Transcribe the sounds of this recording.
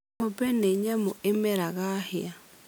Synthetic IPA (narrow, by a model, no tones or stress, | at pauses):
ʊpɛneɲɛmʊɪmɛɾaɣahɪa